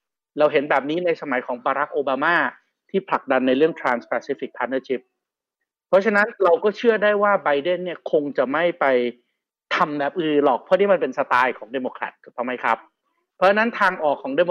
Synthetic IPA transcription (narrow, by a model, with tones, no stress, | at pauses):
ɾa˧wɦe˩˦nbɛː˨˩p̚niː˦˥na˧jsa˧ma˩˦jkʰɔː˩˦ŋbaː˧ɾa˦˥k̚ʔoː˧baː˧maː˥˩ | t̪ʰiː˥˩pʰla˨˩k̚da˧nːa˧jɾɯ˥˩əŋt̪ʰɾaː˧nspɛː˧siː˦˥fi˨˩k̚pʰːaː˧t̪̚nɤː˥˩t͡ɕʰi˦˥p̚ʰː | ɔ˦˥t͡ɕʰa˧na˦˥nɾa˧wkɔː˥˩t͡ɕʰɯ˥˩ɐdaː˥˩jwaː˥˩ba˧jde˥˩nːi˥˩ɐkʰo˧ŋt͡ɕa˨˩ma˥˩jpa˧j | t̪ʰa˧mbɛː˨˩p̚ʔɯː˧lɔː˨˩k̚pʰɔ˦˥˨niː˥˩ma˧npe˧nsa˧t̪aː˧jkʰɔː˩˦ŋdeː˧moː˧kʰɾa̰˨˩t̪̚t̪ʰːɔː˨˩ma˦˥jkʰa˦˥p̚ | pʰːɔ˦˥t͡ɕʰa˧na˦˥nt̪ʰaː˧ŋʔɔː˨˩kʰːɔː˩˦ŋde˧mo˧